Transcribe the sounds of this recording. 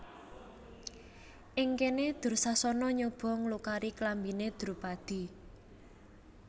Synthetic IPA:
ʔɪŋkened̪̥ʊ̤rsasɔnɔɲob̥ɔ̤ŋlukaɾiklambined̪̥urpad̪̥i̤

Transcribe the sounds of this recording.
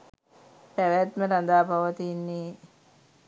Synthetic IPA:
pæʋæt̪məɾand̪aːpaʋət̪iːnːiː

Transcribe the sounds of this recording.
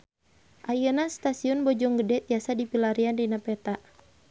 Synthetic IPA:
ʔajənast̪asiɔnbɔd͡ʒɔŋɡədɛt̪iasadipilaɾiandinapɛt̪aʔ

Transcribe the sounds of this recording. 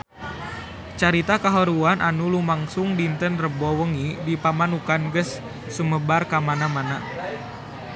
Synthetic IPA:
t͡ʃaɾit̪akaɦɔɾuanʔanulumaŋsuŋdint̪ənrəbɔwəŋidipamanukanɡəsː | uməbarkamanamana

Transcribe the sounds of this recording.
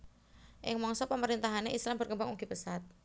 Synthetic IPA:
ʔɪŋmɔŋsɔpəməɾint̪aɦaneʔislambərkəmbaŋuɡipəsat̪̚

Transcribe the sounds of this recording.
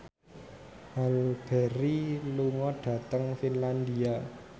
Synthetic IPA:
ʔalb̥ɛɾiluŋɔɖ̥ä̤t̪əŋfinland̪ia

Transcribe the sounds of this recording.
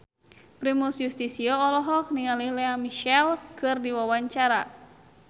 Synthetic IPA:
pɾimusjust̪isiɔɔlɔɦɔk̚niŋalihlɛamiʃɛlkɨrdiwawaɲt͡ʃaɾa

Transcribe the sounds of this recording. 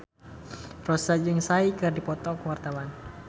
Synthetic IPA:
rɔsad͡ʒɨŋsaikɨrdipɔt̪ɔkəwart̪awan

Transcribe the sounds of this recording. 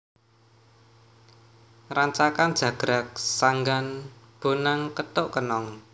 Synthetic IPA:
raɲt͡ʃakand̥ʒ̥ä̤ɡ̥ɾak̚saŋɡanb̥o̤naŋkət̪ʊʔkənɔŋ

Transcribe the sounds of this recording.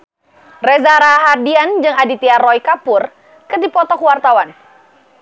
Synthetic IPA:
rɛzaɾaɦardiand͡ʒɨŋadit̪iarɔjkapʊr | kɨrdipɔt̪ɔkwart̪awan

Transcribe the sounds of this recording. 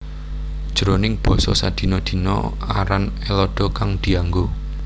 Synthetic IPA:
d̥ʒ̥ɾonɪŋb̥ɔ̤sɔ̰sad̪̥i̤nɔd̪̥i̤nɔ̰ | a̰ɾanelɔɖ̥ɔ̤kaŋd̪̥i̤aŋɡo

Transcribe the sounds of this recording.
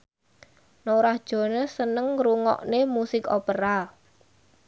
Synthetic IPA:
noɾahd̥ʒ̥ɔ̤nəsənəŋruŋɔ̰ʔnemusɪkopəɾa

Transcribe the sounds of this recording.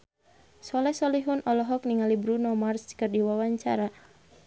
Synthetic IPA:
sɔlɛsɔliɦunʔɔlɔɦɔk̚niŋalibɾunɔmarskərdiwawaɲt͡ʃa̰ɾa

